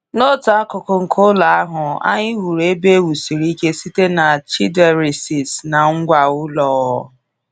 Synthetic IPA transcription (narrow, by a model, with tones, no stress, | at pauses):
no˦ta˨˦a˦kʊ˨ko˨ŋ̩˨kʰo˦la˨a˦ɦʊ˨a̰˦ɲɪ˦ɦu˨ɾe˦be˦wu˨si˨ɾi˦ke˦si˦te˦na˨t͡ʃi˦de˨ɾi˨si˨sna˨ŋ̩˦ɡʷa˨ʊ˦lɔ˨˦ɔ˦